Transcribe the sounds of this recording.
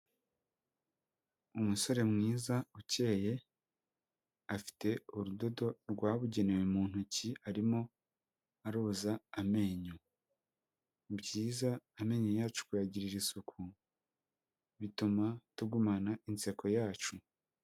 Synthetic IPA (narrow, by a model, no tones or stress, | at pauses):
umuso̞ɾe̞mŋiːzauce̞ːje̞ | afi̥te̞uɾudo̞do̞ɾɡwaːβuɟe̞ne̞wemuːn̥uciaɾimo̞ | aɾuːzaːme̞ɲo | bɟiːzaːme̞ɲojaːt͡ʃu̥kujaɟiɾiɾisukʰu | βitumatuɡumanaʔint͡se̞kʰo̞jaːt͡ʃu